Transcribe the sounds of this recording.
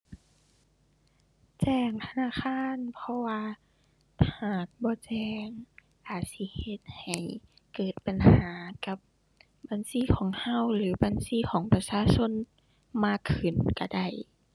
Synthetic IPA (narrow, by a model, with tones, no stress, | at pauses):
t͡ɕɛː˧˩ŋt̪ʰa˧naː˧˥˨xʰaː˧˥˨npʰɔ˧waː˧ | haː˨˩k̚bɔː˧˦t͡ɕɛː˧ŋ | ʔaː˨˩t̪̚si˧˦he˧t̪̚ha˨˩j | kɤː˨˩t̪̚pa˨nhaː˨˦ka˧˦p̚ | baː˨˧˨nsiː˧˥˨kʰɔː˨˦ŋha˧˥˨wlɯː˨˦baː˧˨nsiː˧˥˨kʰɔː˨˦ŋpa˧saː˧˥˨so˧˥˨n | maː˧˩kʰːɯ˨˩nka˧˩da˧˩j